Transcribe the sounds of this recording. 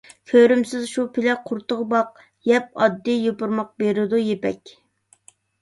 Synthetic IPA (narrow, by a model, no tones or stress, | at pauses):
kʲʰøɾymsɪzʃupʰɪlɛqʰʊɾt̪əʁbɑq̚ | jɛp̚ɑd̪ːijopʊɾmɑq̚beɾɪd̪ujepɛ̰kʲ